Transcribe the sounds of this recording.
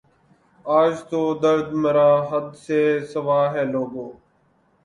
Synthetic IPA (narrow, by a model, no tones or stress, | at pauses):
aːd͡ʒt̪oːd̪əɾd̪məɾaːɦəd̪seːsəʋaːɦɛːloːɡoː